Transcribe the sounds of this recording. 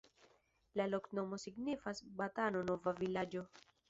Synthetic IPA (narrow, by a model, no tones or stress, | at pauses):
lalo̞kno̞mo̞siɡnifasbatano̞no̞vavilad͡ʒo̞